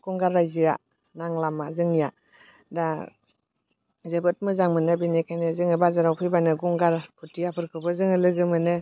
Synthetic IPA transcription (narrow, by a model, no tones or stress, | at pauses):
ɡ̥ɔŋɡaɾːajzɯa̰ | naŋlamazɯŋija | da | zebɯt̚mɯzaŋmɯnɯbinikʰajnɯzɯŋɯbazaɾawpʰɯjbanɯɡɔŋɡaɾpʰutijapʰɯɾkʰɯbɯzɯŋɯlɯɡɯmɯnɯ